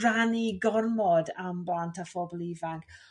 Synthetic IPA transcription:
raniɡɔrmɔdamblˠantʰafɔbɔlˠivaŋk

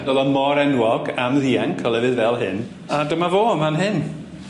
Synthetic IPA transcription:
dɔlˠəmɔɾɛnwɔɡamðiːaŋkʰɔlˠɛvɨðvɛlˠɦɪn | adəmavoːəmanɦɪn

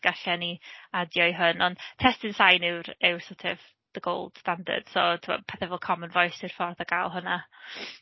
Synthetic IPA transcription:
ɡ̥aɬɛniadjɔjɦʊnɔntʰɛstɪnsajnɪwɾɪwsotʰɪv | ðəɡo̰ːlˠd̥standə̰rd̥sotʰɪmɔ̰pʰɛθɛvɛlˠkʰɔmənvɔjsɪr̥fɔrðaɡ̥aːlˠɦʊna

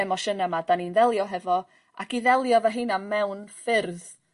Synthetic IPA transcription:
ɛmɔʃənamadaninðɛlˠjɔɦɛvɔ | akiðɛlˠjɔvaɦɨːnamɛwnfɪrð

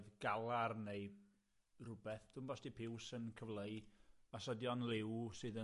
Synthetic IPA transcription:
ðɡalˠarneɨ | rʊbɛθd̥ʊmbɔsd̥ipʰɪwsənkʰəvlˠəjasɔdjɔnlˠɪwsɨːðə

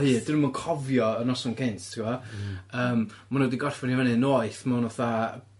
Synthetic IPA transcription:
hɨːdɪnumɔnkʰɔvjɔənɔsɔnkʰɪnttʰiwɔəːmmanodiɡɔrfɔnjavɛnɨnoːɨθmanɔθa

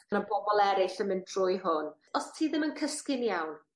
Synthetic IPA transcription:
ənabɔbɔlˠɛɾɪɬəmɪndrʊjɦʊn | ɔstʰiːðɪmənkʰəskɪnjawn

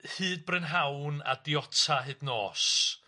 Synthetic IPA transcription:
hɨːd̚brɛnɦawna̰diɔtʰaɦɨdnoːs

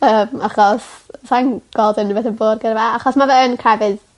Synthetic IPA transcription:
əmaχɔssanɡ̥ɔlˠdənəvɛθəboːrɡ̥əɾvaaχɔsmavɛənkʰrɛvɨð

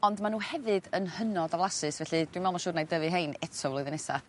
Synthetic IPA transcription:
ɔndmanuːhɛvɨdənhənɔdavlˠasɨsvɛɬɨd̥winvɛlˠmɔʃʊrdnajdəvɨɦejnɛtʰɔvlˠɔjðənɛsa̰

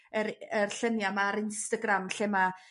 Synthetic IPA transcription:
əɾərɬənjamaɾɪnstaɡramɬɛma

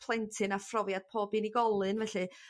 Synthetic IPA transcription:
pʰlˠɛntʰɨnafrɔvjad̥̚pʰoːbiːniɡɔlˠɨnvɛɬɨ

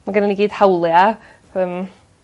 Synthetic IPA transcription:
maɡənaniɡiːd̥hawlˠja | əm

